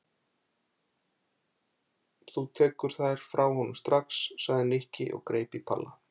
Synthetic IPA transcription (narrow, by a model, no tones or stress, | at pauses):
θut̪ʰɛːkʏɾ̥θajɾ̥fɾawhɔnʏmst̪ɾaksːaɣðɪnehcɪʔɔ̰ɣkɾeːjpipʰa̰lːa